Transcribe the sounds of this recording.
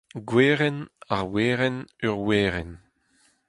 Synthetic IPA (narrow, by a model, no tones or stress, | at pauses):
ɡweːʁɛnaʁweːʁɛnœʁweːʁɛn